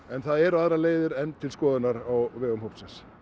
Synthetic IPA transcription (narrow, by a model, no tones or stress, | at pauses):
ɛnθaðɛɾaðɾaleːjðɪɾɛnt̪ʰɪlskɔːðʏnaɾawvɛːɣʏmhowp̪sɛns